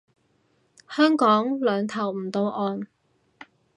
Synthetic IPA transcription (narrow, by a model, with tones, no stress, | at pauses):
hœː˥ŋkɔː˨˥ŋlœː˨˧ŋt̪ʰɐ˨˩wm̩˨˩t̪o˧wʔɔː˧n